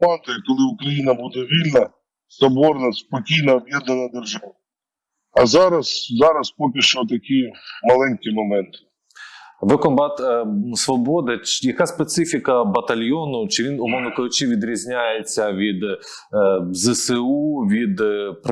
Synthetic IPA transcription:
ɑnt̪ɔjɛkɔlˠɪʊkɾɐjinɐbud̪ɛʋʲilʲnɐ | sɐbɔrnɐspɔkʲijnɐːbjɛd̪nɐnɐd̪erʒɑʋɐ | ɐzɑɾɐszɑɾɐspɔk̬ʲiʃt͡ʃɔt̪ɐkʲimɐlˠɛnʲkʲimɔmɛnt̪ɪ̥ | ʋɪkɔmbɑt̪sʋɔbɔd̪ɪjɐkaspet̪sɪfʲikɐbɐt̪ɐlʲjɔnʊt͡ʃɪʋʲinʊmɔnʊkɐlˠɪt͡ʃiʋʲid̪ɾʲizʲnʲajet͡sʲːɐʋʲid̪ | zɛsɛuʋʲid̪p

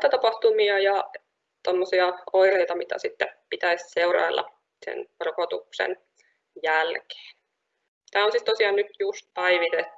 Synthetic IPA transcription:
t̪ɑt̪ɑpɑht̪umiɑjɑ | t̪omːosiɑoireit̪ɑmit̪æ̰sit̪ːepit̪æisseurɑ̰jlːʔɑ̰ | sḛnrokot̪uksḛn | jælke̥ːn | t̪æːonsit̪t̪osiɑːnnyt̪just̪̚pæiʋit̪et̪ːu̥

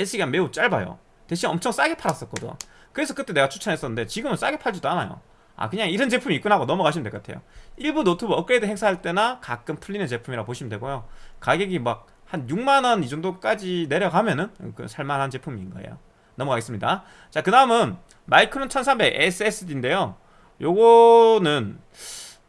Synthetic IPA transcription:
es͈ʰɯɡame̞ut͡ɕ͈aɭbajo̰ | teɕʰinʌmt͡ɕʰʌŋs͈aɡepʰaɾas͈ʌt̚k͈ʌdo̰ | kɯɾe̞sʰʌkɯt͈e̞ne̞ɡat͡ɕʰu̥t͡ɕʰʌnɦe̞s͈ʌnɯnde̞t͡ɕiɡɯmɯns͈aɡepʰaɭd͡ʑidoana̰jo̰ | a̰kɯɲaŋiɾʌnt͡ɕe̞pʰumiːk͈unɦaɡonʌmʌkaɕʰimndek͈atʰe̞̰jo̰iɭbunotʰɯbɯɾʌk͈ɯɾe̞dɯɦe̞ŋsʰaɦaɭt͈e̞nakak͈ɯmpʰuʎːinet͡ɕe̞pʰumiɾapoɕʰimndwe̞ɡojokaɡeɡimak̚ | hanjuŋmanʌnid͡ʑoŋdok͈ad͡ʑine̞ɾjʌɡamjʌnɯnkɯ̰sʰaɭmanɦant͡ɕe̞pʰumiːnɡʌ̰ḛjo̰ | nʌmʌkaɡes͈ɯmɲida | t͡ɕakɯdaɯmɯn | maikʰɯɾont͡ɕʰʌnsʰambe̞ɡʔes͈ʰɯes͈ʰɯdinde̞jo | joɡʌnɯn

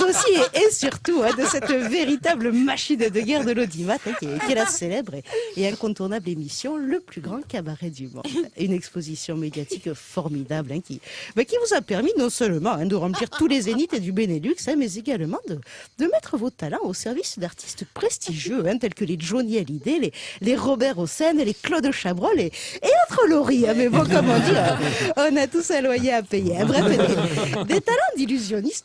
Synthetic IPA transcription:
osieʔesyʁt̪uɛ̃d̪əsɛt̪veʁit̪abləmaʃind̪əɡʲɛʁd̪əlod̪imat̪ɛ̃kɛkiɛlaselɛbʁeːɛ̃kɔ̃t̪uʁnablemisjɔ̃ləplyɡʁɑ̃kabaʁɛd̪ymɔ̰̃d̪ynɛkspozisjɔ̃med̪jat̪ikfɔʁmid̪ablɛ̃kʲibɛkʲivuzapɛʁminɔ̃sœlmɑ̃ɛ̃d̪əʁɑ̃pliʁt̪ulezenit̪ed̪ybenelyksɛ̃mɛzeɡalmɑ̃d̪əd̪əmɛt̪χəvot̪alɑ̃osɛʁvisd̪aʁt̪ʰi̥st̪pχest̪iʒjøɛ̃t̪ɛlkəleʒoniɛlid̪eleleʁɔbɛʁosɛnleklɔd̪ʃabʁɔleːɔ̃t̪χəlɔʁiɛ̃mɛbɔ̃kɔmɔ̃d̪iɛɔ̃nat̪usɛ̃lwajeapejeɛ̃bʁɛfd̪ed̪et̪alɑ̃d̪ilyzjɔnist̪

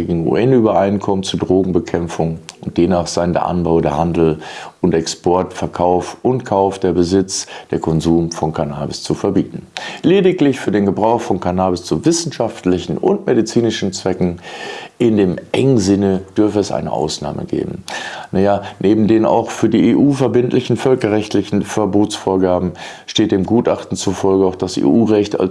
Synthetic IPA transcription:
eːɡŋ̩ṵʔɛnyːbɐʔaɪnkʰɔmənt͡suːɐdʁoːɡŋ̩bəkʰɛmfʊŋʊnt̚d̥eːmnaːχz̥aɪndḛːɐʔa̰nbaʊdeːɐhandl̩ʊntʔɛkspɔɐtfɛɐkʰaʊfʔʊntkʰaʊfd̥eːɐbəzɪt͡sd̥eːɐkʰɔnzuːmfɔnkʰanaːbɪst͡sufɛɐbḭːtn̩leːdɪklɪçfyːɐdeːnɡəbʁaʊxfɔnkʰanaːbɪst͡suvɪsn̩ʃaftlɪçn̩ʊ̰ntmedit͡siːnɪʃn̩t͡sv̥ɛkŋ̩ʔɪndeːmʔɛŋənzɪnəd̥ʏɐfəɛsʔa̰ɪnə̰ʔa̰ʊsna̰ːmə̰ɡḛːbm̩najanʔeːbm̩deːna̰ʊxfyːɐdiːeːʔuːfɛɐbɪntlɪçn̩fœlkɐʁɛçtʰlɪçn̩fɛɐboːtsfoːɐɡaːbm̩ | ʃteːt̚d̥eːmɡuːtʔaχtn̩t͡sufɔlɡəaʊxd̥asʔḛːʔuːʁɛçta̰l

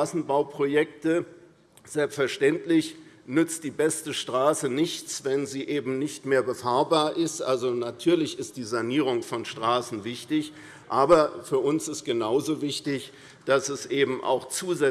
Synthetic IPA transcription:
aːsn̩baʊpʁ̥ojɛk̚tə | z̥ɛlpstfɛɐʃtɛntlɪç | nʏt͡st̚d̥iːbɛstəʃtʁ̥aːsənɪçt͡sv̥ɛnziːʔeːbm̩nɪçtmeːɐbəfaːɐbaːɐʔɪstʔalzonatʰyːɐlɪçɪst̚d̥iːzaniːʁ̞ʊŋfɔnʃtʁ̥aːsn̩vɪçtɪç | ʔaːbɐfyːɐʔʊnsɪstɡ̥ənaʊzoːvɪçtɪç | d̥asɛsʔeːbm̩ʔa̰ʊxt͡suːzɛ

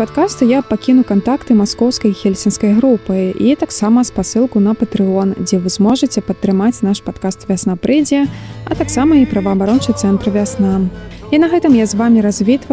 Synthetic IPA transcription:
pat̪kast̪ujapakʲinukant̪akt̪ɨmaskɔwskɐjxʲɛlʲsʲinskɐjɣɾupɨit̪aksamɐspasɨlˠkunɐpɐt̪ɾɨɔnd͡zʲɛvɨzmɔʐɨt͡sʲɛpɐt̪ːɾɨmat͡sʲnaʂpat̪̚kast̪vʲasnapɾʔɛd͡zʲijɐɐ̰t̪aksamɐipɾɐvɐːbaɾɔnt͡ʂɨjt̪sɛnt̪rɨvʲasnainɐɣɛt̪ɨmjazvamʲiɾazʲvʲit̪vɐ

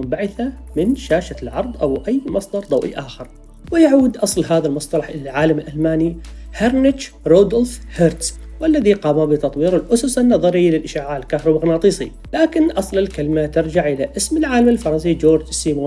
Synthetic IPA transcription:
mbaʕɪθamɪnʃaːʃalʕɑɾˤd̪ˤʔawʔajːmɑsˤd̪ˤɑɾˤd̪ɑwʔḭʔaːxɪɾˤ | wɪjaʕuːd̪ʔɑsˤlɦaːðalmɑsˤt̪ˤɑlɑħʔɪlalʕaːlamɪlʔalmaːnihaɾnɪt͡ʃɾoːd̪olfheɾt̪swʔalːaðiqɑːmabɪt̪ɑt̪ˤwiːɾɪlʔʊsʊsanːɑðˤɑɾɪlɪlʔɪʃaːʕaːɪlkahɾˤɑbaɣnaːt̪ˤiːsˤḭ | laːkɪnʔɑsˤlɪlkalmat̪ɪɾd͡ʒaʕʔɪlaʔɪsmɪlʕaːlamɪlfɑɾˤɑzid͡ʒoːɾd͡ʒsːiːmoː

